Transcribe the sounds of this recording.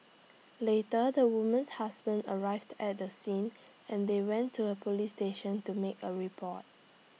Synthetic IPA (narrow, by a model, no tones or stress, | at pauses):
letədəwumə̃nshasbə̃ndəɹaɪvdɛt̚dəsĩn | ɛ̃ndewɛ̃ntʰːuəpʰolisteʃə̃ntumekəɹipʰɔt̚